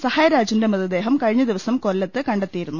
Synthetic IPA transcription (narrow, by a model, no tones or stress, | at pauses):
sɐhaːjɐɾaːd͡ʑinde̞mɐðɐd̪e̞ːɦɐmkɐɻiɲːɐd̪iʋɐsɐmkolːɐt̪ːɨkɐɳɖet̪ːijiɾunːu